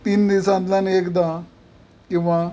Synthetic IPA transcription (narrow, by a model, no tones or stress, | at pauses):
t̪iːnd̪isãt̪lanekd̪a | kĩw̃ʋa